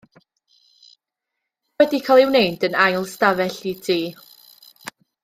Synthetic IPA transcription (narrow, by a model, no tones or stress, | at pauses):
wɛdikʰalˠɪwnejdənajlˠstavɛɬidʰiː